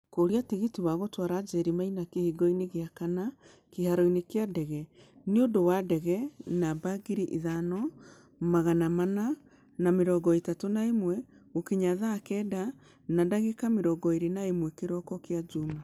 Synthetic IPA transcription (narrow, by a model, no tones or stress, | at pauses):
koɾiatiɣitiwaɣotwaɾad͡ʒɛɾimainakehiɡɔineɣeakana | kehaɾɔinekeadɛɣɛ | neodowadɛɣɛnabaɡiɾiʔiðanɔ | maɣanamana | nameɾɔɡɔetatonaemwɛɣokeɲaðaːkɛːda | nadaɣekameɾɔɡɔeɾenaemwɛkeɾɔkɔkead͡ʒuma